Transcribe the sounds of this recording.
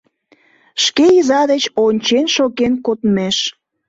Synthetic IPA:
ʃkejizɑd̪et͡ɕonʲt͡ɕenʃokenkot̪meʃ

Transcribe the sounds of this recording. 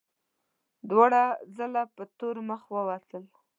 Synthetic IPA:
d̪waɽazəlapət̪oɾməxwəwat̪əl

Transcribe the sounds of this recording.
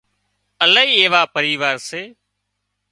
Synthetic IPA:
ələiːeːʋaːpəɾiːʋaːɾseː

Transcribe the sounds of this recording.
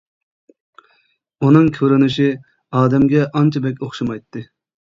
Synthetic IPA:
unɨŋkʲʰøɾynɪʃi | ɑːd̪ɛmɡʲɛʔɑnt͡ʃʰɑbɛkʲoχʃɑmɑjt̪ʰːɨ

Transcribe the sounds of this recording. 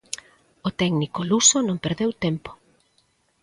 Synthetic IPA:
ot̪ɛɡnikolusonõŋpeɾðewt̪empo̥

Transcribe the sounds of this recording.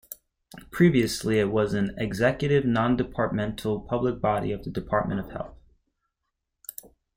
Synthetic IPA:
pʰɹ̥iviɨsliɪt̚wʌzɨ̃nɪɡzɛkjɨɾɪvnɑ̃ndɨpʰɑɹt̚mɛ̃ntʰl̩ˠpʰʌblək̚b̥ɑɾḭʌvðɨdɨpʰɑɹt̚mʔɨ̰̃ɾ̃ʌv̥hɛ̰lˠθ

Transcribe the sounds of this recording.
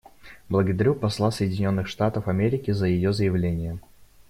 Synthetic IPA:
blˠəɡəd̪ɐɾʲupɐslˠasəjɪdʲɪnʲo̞nːɨxʂt̪at̪əfɐmʲeɾʲɪkʲɪzəjɪjozəjɪvlʲenʲɪjə

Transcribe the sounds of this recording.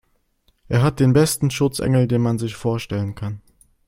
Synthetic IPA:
ʔeːɐɦat̚d̥eːnbɛstn̩ʃʊt͡sʔɛ̰ŋl̩deːnmanzɪçfoːɐʃtɛlənkʰan

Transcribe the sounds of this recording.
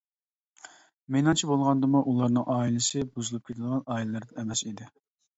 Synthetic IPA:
menɨŋt͡ʃʰibolˠʁɑnd̪ɨmuʔulˠɑɾnɨŋʔɑːilˠɨsɨbuzɨlˠup̚kʲʰet̪ɪd̪ʁɑnɑːilɪlˠɨɾd̪ɛɛmɛsid̪ɪ

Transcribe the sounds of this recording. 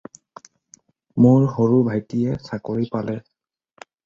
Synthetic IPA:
mʊɹɦoɹubʱajtijɛsakoɹipalɛ

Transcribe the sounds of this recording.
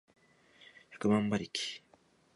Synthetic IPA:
akamambaɾiki̥

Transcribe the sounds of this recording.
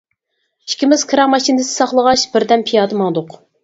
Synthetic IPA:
i̥kʲʰimɪz̥kʲʰɨɾɑmɑʃind̪ɪsɪ̥sɑχlˠəʁɑʃb̥ɪɾd̪ɛmpʰijɑːd̪ɨmɑŋd̪ʊq

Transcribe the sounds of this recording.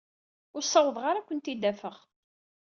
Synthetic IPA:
ʊɾsˤːɑwəðˤʁaɾakʷːənt̪id̪ːæfəʁ

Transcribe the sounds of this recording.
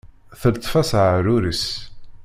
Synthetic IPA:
θəlt̪ˤːfæsʕəɾʊɾəs

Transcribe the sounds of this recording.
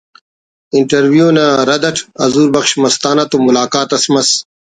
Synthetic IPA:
iɳʈɐɾwjoːnaɾɐd̪ɐʈʰɐ̰zuːɾbɐxɕmɐst̪aːnɐt̪umulaːkaːt̪ɐsmɐs

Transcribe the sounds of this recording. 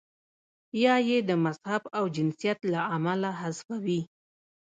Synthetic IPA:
jɑjed̪əmazhabawd͡ʒɪnsijat̪laamalaɦasfawi

